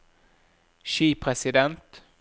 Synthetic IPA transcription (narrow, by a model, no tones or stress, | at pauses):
ʃiːpʰɾɛsɪd̪ɛnt̪